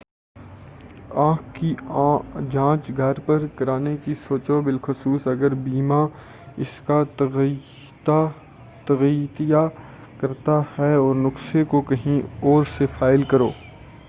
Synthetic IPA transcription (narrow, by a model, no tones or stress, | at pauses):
ãːkki | d͡ʒãːt͡ʃɡʱɐɾpɐɾkɐɾaːnekisoːt͡ʃobɪlxʊsuːsɐɡəɾbiːma | ɪska | t̪ɐɣit̪ija | kɐɾt̪ahɛɔːɾnʊksekokɐɦĩɔːɾsefaːɪlkɐɾo̰ː